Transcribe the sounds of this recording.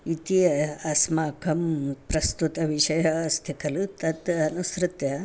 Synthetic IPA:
it̪iɐsmakʰɐmpɾɐst̪ut̪ɐʋiʃɐjɐɐst̪ʰikʰɐlut̪ɐt̪ɐnusɾɨt̪jɐ

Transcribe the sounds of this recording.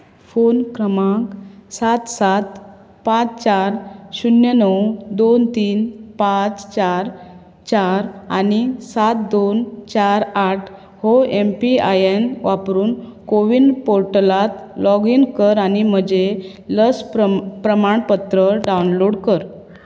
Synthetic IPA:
fonkɾəmãksat̪sat̪ | pãt͡st͡ɕaɾɕunjənəwd̪ont̪iːnpãt͡st͡ɕaɾ | t͡ɕaɾanisat̪̚d̪ont͡ɕaɾaʈʰ | hoempiajenʋapɾuːnkoʋinpoɾʈəlat̪lɔɡinkəɾanim̤əd͡ʑe | ləspɾəmaɳpət̪ɾəɖawnloɽkəɾ

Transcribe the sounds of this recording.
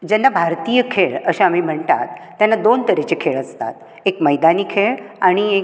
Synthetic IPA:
d͡ʑɛnːabʱaɾt̪ijəkʰeɭəɕaamiːm̤əɳt̪a̰t̪ːjanːad̪ont̪əɾet͡ɕekʰeɭəst̪a̰t̪̚ | ekməjd̪aniːkʰeɭaɽ̃ie

